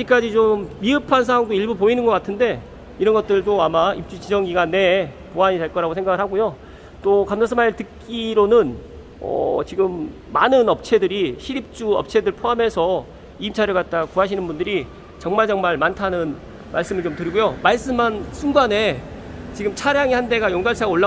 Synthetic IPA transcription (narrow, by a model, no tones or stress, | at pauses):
ad͡ʑik͈ad͡ʑit͡ɕomːiɯpʰansʰaɦaŋdoiɭbupoinɯnɡʌk͈atʰɯnde̞ | iɾʌnɡʌt̚t͈ɯɭtoamaip̚t͡ɕ͈ut͡ɕid͡ʑʌŋɡiɡanːe̞poaɲide̞ɭk͈ʌɾaɡosʰe̞ŋɡaɡɯɭɦaɡojo | t͈okamsʰas̬ʰɯmatɯk͈iɾonɯn | ʌ̰t͡ɕiɡɯmː | anɯnʌp̚t͡ɕʰe̞dɯɾiɕʰiɾip̚t͡ɕ͈uʌ̰p̚t͡ɕʰe̞dɯɭpʰoamɦe̞sʰʌ | iimt͡ɕʰaɾjoɡat̚t͈akuɦaɕʰinɯnbundɯɾi | t͡ɕʌŋmaɭt͡ɕʌŋmaɭmantʰanɯn | maɭs͈ɯmɯɭt͡ɕomtɯɾiɡujomaɭs͈ɯmansʰunɡane̞t͡ɕiɡɯmt͡ɕʰaɾjaŋihande̞ɡajoŋɡaɭsʰaɡaoɭːa